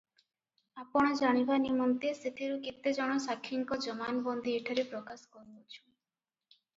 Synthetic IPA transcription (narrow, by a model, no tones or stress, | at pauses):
apɔɽ̃ɔd͡ʒaɽ̃ibanimɔnt̪esit̪ʰiɾukit̪ed͡ʒɔɽ̃ɔsakʰːiŋkɔd͡ʒɔmanbɔnd̪ieʈʰaɾepɾɔkaskɔɾubot͡ʃʰu̥